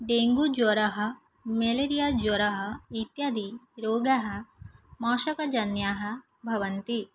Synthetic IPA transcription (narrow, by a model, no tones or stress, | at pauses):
ɖeːŋɡud͡ʒoːɾɐɦɐ̆ | meleɾijaːd͡ʒoːɾɐɦɐit̪jad̪iɾoːɡɐɦɐ̆maːʃɐkɐd͡ʒɐnjaːɦɐ̆ | bʱɐʋɐnt̪i